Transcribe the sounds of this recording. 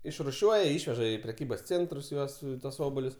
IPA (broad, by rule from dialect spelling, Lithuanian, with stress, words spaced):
ɪʃrʊˈʃʲuɔjɛ ˈɪʃʲʋʲɛʒɐ ɪ pʲrʲɛˈkʲiːbɐs ˈt͡sʲeːntrʊs ˈjuɔs tuɔs ˈoːboːlʲʊs